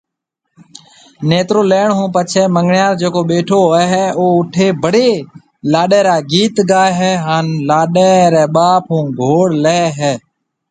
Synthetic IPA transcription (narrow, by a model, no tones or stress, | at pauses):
neːt̪ɾoːleːɳɦũːpət͡ʃʰɛːməŋɡɳjaːɾd͡ʒeːkoːɓeːʈʰoːəɦɛːoːʊʈʰeːbʱəɽeː | laːɗeːɾaːɡiːt̪ɡaːɦɛːɦaːnlaːɗeːɾɛːɓaːpɦũːɡʱoːɽleːɦɛː